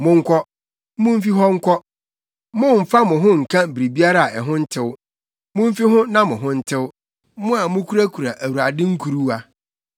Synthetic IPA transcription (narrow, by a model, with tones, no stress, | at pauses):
mʊ̃˦ŋ̩˦kʷʰɔ˦ | mʊ̃˦m˦fi˦ɦɔ˦ŋ̩˦kʰɔ˦ | mʊ̃˦˨m̩˨fa˦mʊ̃˨ɦʊ̃˦ŋ̩˨kʰã˦m̩˨bi˨ɾi˨bi˦a˦ɾa˨a˨ʔɛ˨ɦʊ̃˦n̩˦tʰɪ˦w | mʊ̃˦m̩˦fi˦ɦʊ̃˦nã˦mʊ̃˨ɦʊ̃˦n̩˦tʰɪ˦w | mʊ̃˦a˨mʊ̃˦kʰu˦ɾa˦kʰu˨ɾa˨ʔæ˨wu˨ɾa˨dɪ̃˦ŋ̩˦kʰu˨ɾu˦a˨